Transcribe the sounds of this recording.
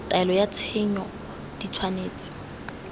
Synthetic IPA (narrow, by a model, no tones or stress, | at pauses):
tʼaɛlɔjat͡sʰɛɲɔ | d̥it͡sʰwaneːt͡sʼɪ̥